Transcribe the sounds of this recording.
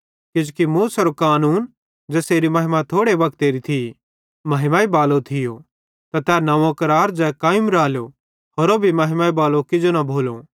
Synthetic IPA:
kɪd͡ʒukimuːsɐɾokaːnuːn | d͡ʒɛːseːɾimɐɦɪmat̪ʰoːɽebɐk̚t̪eːɾit̪ʰi | mɐɦɪmaːibaːlot̪ʰɪjo | t̪at̪ɛːnɐʋõkɐɾaːɾd͡ʒɛkaːjɪmɾaːljo | ɦoɾobʱimɐɦɪmaːibaːlokɪd͡ʒonɐbʱoːlo

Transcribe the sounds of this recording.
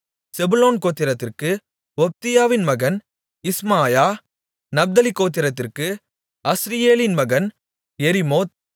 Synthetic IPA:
sɛbʊloːnkoːt̪ːɪɾɐt̪ːɪrkɯ | ɔp̚t̪ɪjaːʋɪnmɐɣɐn | ɪsmaːjaː | nɐb̚d̪ɐlɪkːoːt̪̬ːɪɾɐt̪ːɪrkɯ | ɐsɾɪjeːlɪnmɐɣɐn | jɛɾɪmoːt̪̚

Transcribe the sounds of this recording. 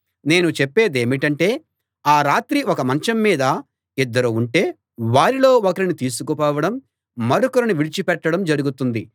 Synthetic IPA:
ne̞ːnut͡ʃepːe̞ːd̪e̞ːmiʈɐɳʈe̞ː | aːɾaːt̪ɾiɔkɐmɐnt͡ʃɐmːiːd̪ɐ | id̪ːɐɾuuɳʈe̞ː | ʋaːɾilo̞ːokɐɾinit̪iːs̬ukupɔːʋɐɽɐmː | ɐɾukɐɾinuʋiɽit͡ʃipɛʈːɐɽɐmd͡ʒɐɾuɡut̪und̪i

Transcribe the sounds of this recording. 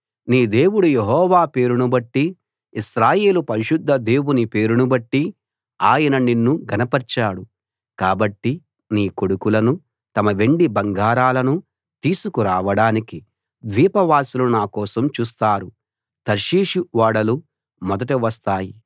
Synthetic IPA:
niːd̪e̞ːwuɽujeɦɔːʋaːpe̞ːɾunubɐʈːi | isɾaːje̞ːlupɐɾiʃud̪ʱːɐd̪e̞ːwunipe̞ːɾunubɐʈːi | aːjɐnɐninːuɡʱɐnɐpɐɾt͡ʃaːɽu | kaːbɐʈːi | niːko̞ɽukulɐnu | t̪ɐmɐʋe̞ɳɖibɐŋɡaːɾaːlɐnu | t̪iːsukuɾaːʋɐɽaːniki | d̪ʋiːpɐʋaːsilunaːkɔːsɐmt͡ʃuːs̬t̪aːɾu | t̪ɐɾʃiːʂuʋaːɽɐlu | mɔd̪ɐʈiʋɐst̪aːji

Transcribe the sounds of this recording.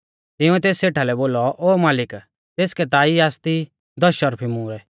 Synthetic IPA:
t̪ɪũɛt̪eːsːeːʈʰalɛboːlɔʔoːmaːlɪk | t̪eːskɛt̪aːiaːst̪i | d̪ɔʃɔɾpʰimuːɾɛ

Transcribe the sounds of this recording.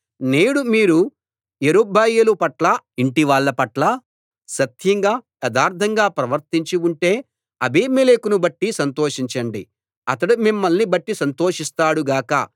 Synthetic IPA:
neːɽumiːɾu | eɾubʱɐːjɐlupɐʈlɐiɳʈiʋaːɭːɐpɐʈlɐ | ʃɐt̪jɐŋɡaː | ɐd̪aːɾd̪ʱɐŋɡaːpɾɐʋɐɾt̪iɲt͡ʃiuɳʈe̞ː | ɐbeːmelekunubɐʈːisɐnt̪o̞ːʂiɲt͡ʃɐɳɖi | ɐt̪ɐɽumimːɐlnibɐʈːisɐnt̪oːʂist̪aːɽuɡaːkɐ̰

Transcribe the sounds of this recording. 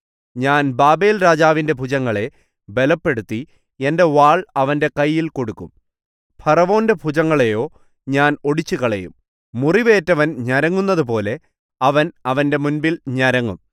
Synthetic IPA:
ɲaːnbaːbe̞ːlɾaːd͡ʑaːʋinde̞bʱud͡ʑɐŋːɐɭe̞ | be̞lɐpːe̞ɽut̪ːi | e̞nde̞ʋaːɭɐʋɐnde̞kɐjːilko̞ɽukːum | pʰɐrɐʋo̞ːndebʱud͡ʑɐŋːɐɭejo̞ː | ɲaːno̞ɽit͡ɕːukɐɭɐjṵmː | uriʋe̞ːtːɐʋɐnɲɐɾɐŋːunːɐðup̬o̞ːle̞ | ɐʋɐnɐʋɐnde̞munbilɲɐɾɐŋːṵm

